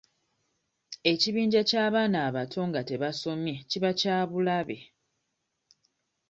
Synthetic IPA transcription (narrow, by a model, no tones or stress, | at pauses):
e̞ciβiːɲɟacaːβaːnaːβatʰo̞ŋɡate̞βaso̞mjeciβacaːβulaβe̞̰